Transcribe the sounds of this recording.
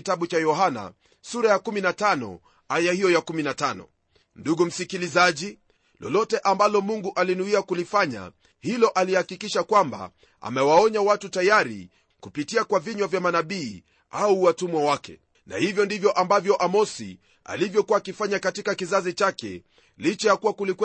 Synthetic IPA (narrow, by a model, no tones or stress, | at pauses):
itaɓut͡ʃajɔɦana̰ | suɾajakuminatanɔ̰ | ajahijɔjakuminatanɔ̰ | nduɡum̩sikilizaʄi | lɔ̰lɔtɛʔambalɔmuŋɡuʔalinuiakulifaɲa̰ | hilɔʔalihakikiʃakwamba̰ | a̰mɛwaɔɲawatutajaɾḭ | kupitiakwaviɲwavjamanaɓiː | auwatumwawakɛ̰ | na̰hivjɔndivjɔʔambavjɔʔamɔsḭ | a̰livjɔkuwaːkifaɲakatikakizazit͡ʃakɛ̰ | lit͡ʃɛjakuwakulik